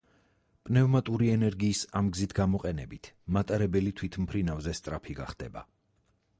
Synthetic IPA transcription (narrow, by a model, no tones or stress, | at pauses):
pʼnɛvmat̪ʼuɾiɛnɛɾɡiːsamɡzit̪ʰɡamɔqʼɛnɛbit̪ʰmat̪ʼaɾɛbɛlit̪ʰwit̪ʰmpʰɾinavzɛst̪sʼɾapʰiɡa̰χd̪ɛ̰ba̰